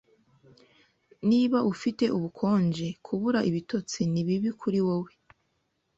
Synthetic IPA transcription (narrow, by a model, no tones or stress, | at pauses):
niβaʔufite̞ʔuβukʰo̞ːnd͡ʒekʰuβuɾaʔiβito̞t͡siniβiβikʰuɾiwowe